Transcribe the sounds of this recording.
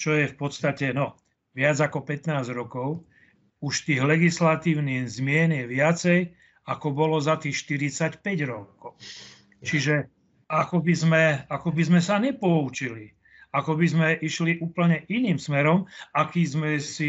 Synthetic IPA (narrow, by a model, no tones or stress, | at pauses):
t͡ʃɔjɛfpɔt̪st̪acɛnɔ | ʋɪad͡zakɔpɛt̪naːzɾɔkɔʊ | uʃt̪iːɣlɛɡislat̪iːʊnizmɪɛnjɛʋɪat͡sɛj | akɔbɔlɔzat̪iːxʃt̪iɾit͡sacpɛɟɾɔkɔʊ | t͡ʃiʒɛ | akɔbizmɛakɔbizmɛsaɲɛpɔut͡ʃili | akɔbizmɛʔiʃliʔuːpl̩ɲɛʔiniːmsmɛɾɔmakiːzmɛsi